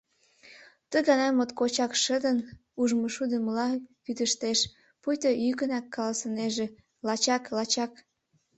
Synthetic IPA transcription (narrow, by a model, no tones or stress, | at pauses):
t̪əɣɑnɑmot̪kot͡ɕɑkʃəd̪ən | uʒmoʃud̪əməlɑpyt̪əʃt̪eʃ | pujt̪ojykənɑkːɑlɑsə̆neʒĕ | lɑt͡ɕɑklɑt͡ɕɑk